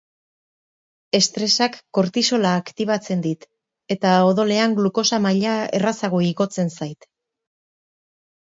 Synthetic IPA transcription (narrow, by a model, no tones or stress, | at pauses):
e̞st̪ɾe̞sakːo̞ɾt̪iso̞laːkt̪iβ̞at͡se̞nd̪it̪ | e̞t̪ao̞ðo̞le̞aŋɡluko̞samaʎae̞̰rasaɣ̞o̞iɣo̞t͡se̞nsajt̪